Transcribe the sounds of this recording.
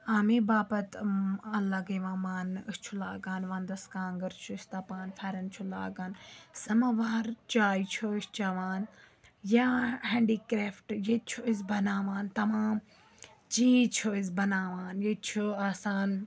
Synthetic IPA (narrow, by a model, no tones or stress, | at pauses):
aːmibaːpɐt̪ɐlaɡeʋãːmaːnɨst͡ʃʰulaːɡaːnʋãːnd̪ɐskãːŋɡɐɾt͡ʃʰust̪aːpaːnfʰeːɾɐnt͡ʃʰulaːɡaːnsɐmaʋaːɾt͡ʃaːit͡ʃʰoɪst͡ʃaʋaːn | jahẽːɳɖiːkɾeːfʈjet͡ʃʰuizbɐnaːʋaːnt̪ɐmaːm | d͡ʒiːt͡ʃʰoizbɐnaːʋaːnjet͡ʃʰuaːsaːn